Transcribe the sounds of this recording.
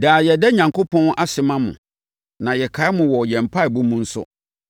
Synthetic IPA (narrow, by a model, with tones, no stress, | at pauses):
daː˨jɛ˨dɛ˦ɲã˨ŋko˦pʰɔ̃˦na˦sɪ˨mã˦mʊ̰̃˨ | nã˨jɛ˨kʰa˨˦mʊ̃˨wɔ˨jɛ̃˨m̩˨pʰa˦˨bu˦mũ˦n̩˦sʊ̰˦